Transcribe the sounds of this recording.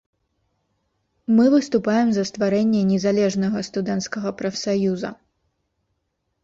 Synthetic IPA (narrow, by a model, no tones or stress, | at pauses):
mɨvɨst̪upajɛmzɐst̪vaɾɛnʲːɛnʲɛzalʲɛʐnɐɣɐst̪ud̪ɛnt̪skɐɣɐpɾɐfsajuzɐ̰